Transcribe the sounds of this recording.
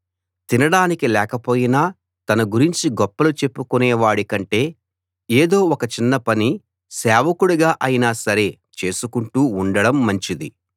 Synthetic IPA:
t̪inɐɽaːnikilɛːkɐpo̞ːjinaː | t̪ɐnɐɡuɾiɲt͡ʃiɡɔpːɐlut͡ʃe̞pːukunɛːʋaːɽikɐɳʈe̞ː | eːd̪o̞ːɔkɐt͡ʃinːɐpɐni | sɛːʋɐkuɽuɡaːʔɐjinaːsɐɾe̞ | t͡ʃe̞ːsukuɳʈuːɳɖɐɽɐmːɐɲt͡ʃid̪i

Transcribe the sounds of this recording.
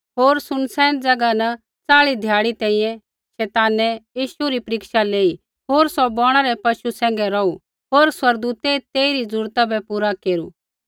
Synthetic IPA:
ɦoːɾsʊnsɛ̃ːnd͡zɐɡanɛ | t͡saːɭid̪ʱjaːɽit̪ɛ̃ːĩjɛ̃ | ʃɛːt̪aːnɛjiːʃuɾipɐɾɪkʃaleːi | ɦoːɾsɔbɔːɽ̃aɾɛpɐʃusɛ̃ːŋɡɛɾɔu | ɦoːɾswɐɾɡd̪uːt̪et̪eːiɾid͡zʊɾt̪abɛpuːɾakeːɾu

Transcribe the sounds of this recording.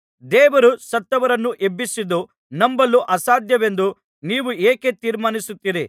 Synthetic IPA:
d̪ɛːʋɐɾusɐt̪ːɐʋɐɾɐnːuʔe̞bːisid̪u | nɐmbɐlːuʔɐsaːd̪ʱjɐʋe̞nd̪u | niːʋueːke̞t̪iːɾmaːnisut̪ːiːɾi

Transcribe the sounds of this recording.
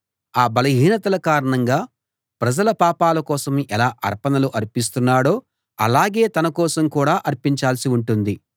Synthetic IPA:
aːbɐlɐɦiːnɐt̪ɐlɐkaːɾɐɳɐŋɡaː | pɾɐd͡ʒɐlɐpaːpaːlɐkɔːsɐmʔɛlaːʔɐ̰ɾpɐnɐluʔɐɾpis̬t̪unːaːɽo̞ː | ɐ̰laːɡe̞ːt̪ɐnɐkɔːsɐmkuːɽaːʔɐɾpiɲt͡ʃaːlsiuɳʈund̪i

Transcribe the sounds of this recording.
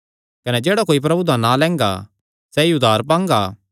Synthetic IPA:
kɐnɛd͡ʒeːɽakoːip̬ɾɐbud̪ãnalɛ̃ːŋɡa̰ | sɛiʊd̪ʱaːɾp̬ãːŋɡaː

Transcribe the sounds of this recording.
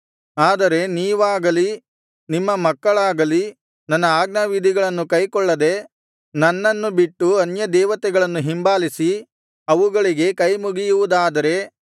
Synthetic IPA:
aːd̪ɐɾe̞niːʋaːɡɐli | nimːɐmɐkːɐɭaːɡɐli | nɐnːɐaːɡnɐʋid̪ʱiɡɐɭɐnːukɐjkɔɭːɐd̪e̞ | nɐnːɐnːubiʈːuɐnjɐd̪ɛːʋɐt̪ɛɡɐɭɐnːuɦimbaːlisi | ɐʋuɡɐɭiɡe̞kɐjmuɡijuʋud̪aːd̪ɐɾe̞

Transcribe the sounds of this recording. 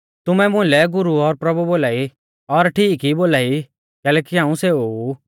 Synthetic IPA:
t̪ʊmɛmʊ̃ɪ̃lɛɡʊɾuɔɾpɾɐbuboːlaːi | ɔɾʈʰiːkiboːlaːi | kɛːlɛːkiɦãːũseou

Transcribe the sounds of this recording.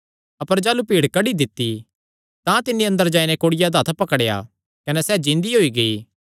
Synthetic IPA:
ɐpəɾd͡ʒaːlupiːɽkɐɽid̪ɪt̪ːi | t̪ãt̪ɪnːiɐ̃nd̪əɾd͡ʒaːinɛkoːɽɪjad̪aːt̪ʰpɐkəɽeja̰ | kɐnɛsɛːd͡ʒɪ̃nd̪iɦoːiɡɐiː

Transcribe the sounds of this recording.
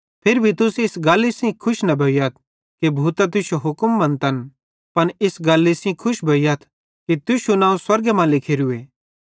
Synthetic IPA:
pʰɪɾbʱit̪ʊsɪsɡaːlːisĩkʰʊʃnɐbʱɐijɐt̪̚ʰ | kebʱuːt̪at̪̬ʊʃoɦʊkmːɐ̃nt̪ɐn | pɐnɪsɡaːlːisĩkʰʊʃbʱɐijɐt̪ʰ | kit̪ʊʃunãːũswɐɾɡemãːlɪkʰeɾʊeː

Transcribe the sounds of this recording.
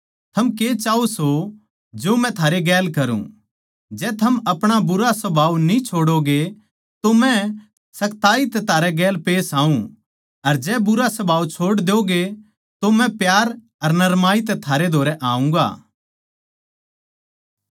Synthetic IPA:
t̪ʰɐmkeːt͡ʃaːuso | d͡ʒoːmɛ̃t̪ʰaːɾeɡɛːlkɐɾṵ̃ | d͡ʒɛːt̪ʰɐmɐpɽ̃abʊɾasɐbʱaːʋnĩt͡ʃʰoːɽoɡe | t̪omɛ̃ | sɐkt̪aːit̪ɛt̪ʰaːɾɛɡɛːlpeːsaːũ | ɐɾd͡ʒɛːbʊɾasɐbʱaːʋwt͡ʃʰoːɽd̪eoɡe | t̪omɛ̃pjaːɾ | ɐɾnɐɾmaːit̪ɛt̪ʰaːɾed̪ʱoːɾɛʔãːũɡa̰ː

